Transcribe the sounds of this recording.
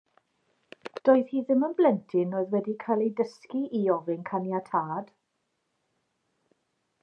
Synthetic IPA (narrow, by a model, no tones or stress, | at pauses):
d̥oːjð̥hiːðɪmənblɛntʰɪnoːɨðwɛdikʰajlˠejdəskiʔiɔvɪnkʰanjatʰaːd̥